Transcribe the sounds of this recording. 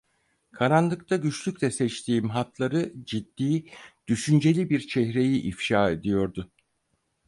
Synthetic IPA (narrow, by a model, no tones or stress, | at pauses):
kʰaɾanlˠɯkt̪ʰaɟyt͡ʃlʲycʲlʲɛsɛt͡ʃt̪ʰiːmɦat̪lˠaɾɯd͡ʒid̪ːiːd̪̥yʃynd͡ʒe̞lʲibiɾt͡ʃʰɛɦɾe̞jiʔifʃaːe̞d̪ijo̞ɾd̪ʊ